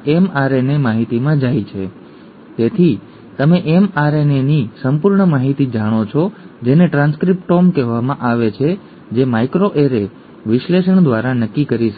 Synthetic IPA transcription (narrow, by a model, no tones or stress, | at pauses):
ɛmaɾenemaɦit̪imãd͡ʒajt͡ʃʰe | t̪et̪ʰi | t̪əmẽʔemaɾenenisəmpuɾɳəmaɦit̪id͡ʒaɽ̃ot͡ʃʰɔd͡ʒeneʈɾãnskɾip̚ʈomkɛɦʋamãʔaʋet͡ʃʰe | d͡ʒemaikɾoʔeɾe | ʋɪʃleʃəɳd̪ʋaɾanəkːikəɾiʃə